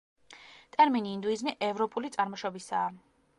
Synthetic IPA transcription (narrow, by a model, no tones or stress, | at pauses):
t̪ʼɛɾminiːnd̪uizniʔɛvɾɔpʼulit̪sʼaɾmɔʃɔbisaː